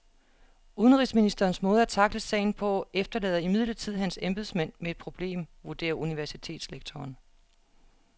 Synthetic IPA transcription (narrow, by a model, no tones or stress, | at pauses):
uð̞ˠənʁḭːsminisd̥ɐːnsmɔ̽ːð̞̩ˠæt͡sʰɑ̈ɡ̥ləsɛ̰ɪn̩pʰɒ̽efd̥ɐlɛ̰ːð̞ˠimið̞̰ˠlɐt͡sʰið̞̰ˠɦænsemb̥eð̩ˠsmæn̰med̥̚pʰʁo̝b̥le̝̰ːmʋuɐd̥e̝̰ːɐʔuniʋæɐsit͡sʰe̝̰ːd̥sleɡ̥̚t͡sʰɒːn